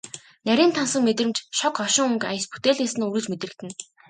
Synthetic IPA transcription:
næɾʲiːnt̪ʰansə̆ŋmet̪rɘ̆mt͡ɕʃɔkɔʃɪ̆ŋuŋka̰j̆sput̪eːɮeːsɘ̆nuɾɘ̆t͡ɕmet̪̆ɘ̆kt̪ɘ̆n

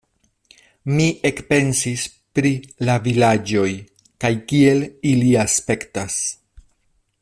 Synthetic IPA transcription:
mie̞kpe̞nsis | pɾilavilad͡ʒo̞j | kajkie̞liliaspe̞ktas

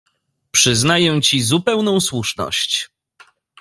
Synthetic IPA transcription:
pʂɘznajɛ̃t͡ɕizupɛwnɔ̃w̃swuʂnɔ̰ɕt͡ɕ

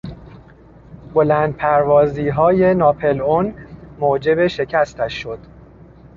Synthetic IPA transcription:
bo̞læːnd̪̚pʰæɾvɒːziːɦɒːje̞nɒːpʰe̞lonmoːd͡ʒe̞beʃe̞cʰæst̪æʃːo̞d̪̥

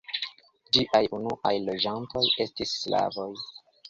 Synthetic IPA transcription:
d͡ʒiʔajunuʔajlo̞d͡ʒanto̞je̞stisːla̰vo̞j

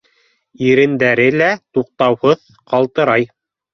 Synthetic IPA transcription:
iɾɘ̆nd̪æɾɘlæt̪uq̚t̪ɑwhɤð | qɑlˠt̪ɤ̆ɾɑj

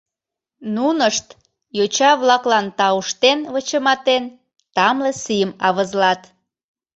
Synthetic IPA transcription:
nunəʃt̪ | jot͡ɕɑβlɑklɑnt̪ɑuʃt̪enβət͡ɕəmɑt̪en | t̪ɑmlesijəmɑβəzlɑt̪

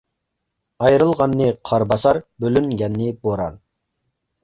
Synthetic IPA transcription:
ɑjɾɨlˠʁɑnːɨqʰɑɾbɑsɑɾbølyŋɡʲɛnːɪboɾɑ̰n

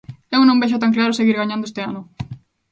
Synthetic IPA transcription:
ewnõmbeʃ̬ʊt̪aŋklaɾʊseɣiɾɣaɲãnd̪oest̪eanʊ

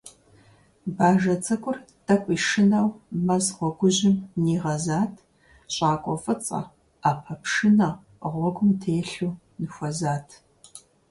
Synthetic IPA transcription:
baːʒɐt͡sʼɐkʷʼʊr | d̥ɐkʷʼiːʃɪnɐwmɐzʁʷɔɡʷʊʑɪmniːʁɐzaːtʰ | ɕʼaːkʷʼɔfʼɨt͡sʼɐ̰ | aːpʰɐpʂɨnɐ | ʁʷɔɡʷʊmtʰeːɬuː | nɨxʷɔzaːtʰ

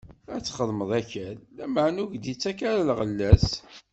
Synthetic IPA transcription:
æt͡sːχəðˤməðˤæçælːæməʕnuʝd̪it͡sːækæɾlʁəlːæs

